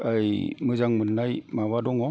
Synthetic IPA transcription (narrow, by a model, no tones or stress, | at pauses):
ajmɯzaŋmɯnːajmawadɔŋɔ